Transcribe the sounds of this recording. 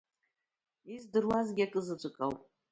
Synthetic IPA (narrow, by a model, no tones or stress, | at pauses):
izdɨrwazɡʲiakʼɨzɨt͡ʃʷʼɨkʼawpʼ